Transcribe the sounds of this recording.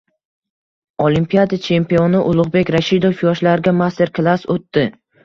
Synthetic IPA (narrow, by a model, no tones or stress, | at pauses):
olimpijad̪at͡ʃʰe̞mpionɪʔʊlˠʊʁbe̞kʲɾaʃid̪ofjɒʃlaɾɡʲamast̪ʰe̞ɾklˠasot̪ːɪ